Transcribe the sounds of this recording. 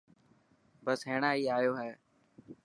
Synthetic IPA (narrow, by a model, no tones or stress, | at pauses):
bəsɦeːɳaːiːaːjoːɦɛː